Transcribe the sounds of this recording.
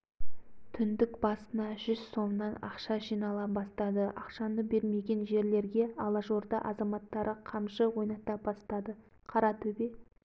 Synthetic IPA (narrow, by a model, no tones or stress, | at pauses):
t̪ʰʏnd̪ɪkbɑsənɑʒʏz̥so̞mnɑnɑ̰qʃɑʒijnɑlˠɑbɑst̪ɑd̪əɑ̰qʃɑnəbe̞ɾme̞ɡʲe̞nʒe̞ɾle̞ɾɡʲe̞ɑlˠɑʒo̞ɾd̪ɑ̰ʔɑzɑmɑt̪ːɑɾəqʰɑmʃəwo̞jnɑt̪ɑbɑst̪ɑd̪ə | qʰɑɾɑt̪ʰɵbe